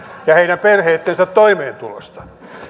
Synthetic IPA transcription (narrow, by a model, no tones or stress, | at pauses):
jɑheinæmperheːt̪ːensæt̪t̪ːoimeːnt̪ulo̰st̪ɑ̥